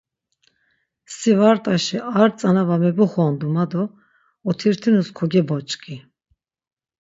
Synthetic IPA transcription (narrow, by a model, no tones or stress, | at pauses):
sivaɾt̪ʼaʃiʔaɾt͡sʼanavamɛbuχɔnd̪umad̪ɔː | t̪ʰiɾt̪ʰinuskʰɔɡɛbɔt͡ʃʼkʼi